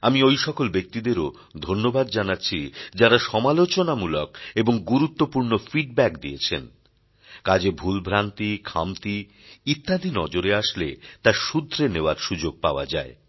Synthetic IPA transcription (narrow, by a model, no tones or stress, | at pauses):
amiojʃɔkolbek̚t̪id̪eɾo | d̪ʱonːobad̪d͡ʑanatːɕʰid͡ʑaɾaʃɔmalot͡ɕonamulokeboŋɡuɾut̪ːopuɾnofiɖ̚bɛkd̪iet͡ɕʰḛn | kad͡ʑebʱulbʱɾant̪ikʰa̰mt̪i | it̪ːad̪ʱinɔd͡ʑoɾeaʃlet̪aɾʃud̪ʱːɾeneoaɾʃud͡ʑoɡ̚paoa̰d͡ʑae